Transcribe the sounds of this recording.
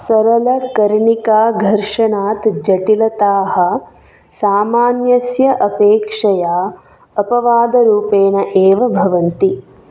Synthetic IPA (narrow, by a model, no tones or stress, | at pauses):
sɐɾɐlɐkɐɾɳikaːɡʱɐɾʂɐɳaːt̪d͡ʒɐʈilɐt̪aːhɐ̆ | saːmaːnjɐsjɐʔɐpeːkʂɐjaː | ɐpɐʋaːd̪ɐɾuːpeːnɐʔeːʋɐbʱɐʋɐnt̪i